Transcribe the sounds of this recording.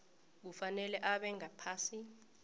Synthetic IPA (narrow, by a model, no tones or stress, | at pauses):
k̬ufanɛlɛʔaɓɛŋapʰaːsi